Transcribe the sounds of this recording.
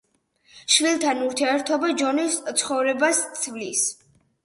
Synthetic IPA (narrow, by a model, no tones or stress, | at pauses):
ʃvilˠt̪ʰanuɾt̪ʰiɛɾt̪ʰɔbad͡ʒɔnist̪sʰχɔvɾɛbast̪sʰvlis